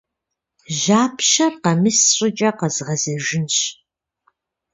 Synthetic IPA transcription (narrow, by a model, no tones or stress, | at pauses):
ʒaːpʰʃɐrqɐmɨsɕʼɪt͡ʃʼɐqɐzʁɐzɐʒɪnɕ